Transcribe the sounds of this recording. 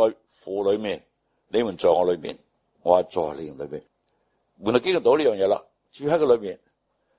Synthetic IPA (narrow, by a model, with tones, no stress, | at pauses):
ɔ˨˧j | fuː˨lɵ˨˧ɥmiː˨˩n | le˨˧mu˨˩nt͡sɔː˨˩ŋɔː˨˧lɵ˨˧mḭː˨˩n | ŋɔ̰ː˨˧a˧t͡sɔ̰ː˨˩le˧m˨˩lə˨˧ɥmiː˨˩n | mu˨na˨˧kɪː˥ŋl̩i˨˩t̪o˨˥wliː˥jœː˨ŋjɛː˨˧la̰˧ | t͡ʃy˧˩ɦa˧˥kːɛ˧lɵ˨˧ɥmiː˨˩n